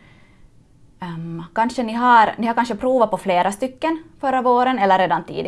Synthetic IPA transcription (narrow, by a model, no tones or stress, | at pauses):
kanʂənɪɦaɾnɪhaɾkanʂəpʰɾuːvapʰɔfleːɾast̪ʏkːənfœɾavoːɾənɛlːəɾeːd̪ant̪ʰḭːd̪ɪ